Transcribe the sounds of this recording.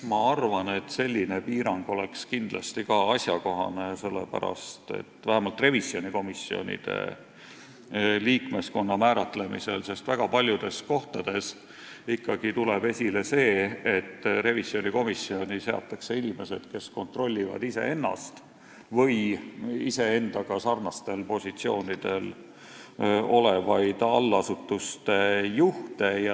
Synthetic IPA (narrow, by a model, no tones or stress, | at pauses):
mɑɑrvɑne̞t̪se̞lʲːine̞piːɾɑŋɡ̥o̞le̞kskind̪̥lɑst̪ikɑɑsjɑko̞ɦɑ̰ne̞se̞lːḛpæ̰ɾɑ̰st̪e̞̰t̪ːˑvæhæmɑlt̪re̞visjo̞nʲiko̞misio̞̰nʲḭd̪̥e̞̰ | liːkme̞sko̞nːɑmæːɾɑt̪le̞mḭse̞̰lse̞st̪væɡ̥ɑpɑlʲjud̪̥e̞sko̞ht̪ɑd̪̥e̞s | ikːɑɡ̥it̪ule̞be̞sʲile̞se̞ːet̪ːɾe̞visio̞niko̞misːio̞nʲise̞ɑ̰t̪ːˑɑkse̞inime̞se̞d̪̥ke̞sko̞nt̪ro̞lʲːivɑ̰d̪ise̞̰e̞nːɑ̰st̪ | vɤjise̞e̞nd̪̥ɑɡ̥ɑsɑrnɑst̪e̞lpo̞sʲit̪sio̞ːnid̪̥e̞l | o̞le̞vɑjd̪̥ɑlːɑsut̪ːˑust̪e̞juht̪e̞j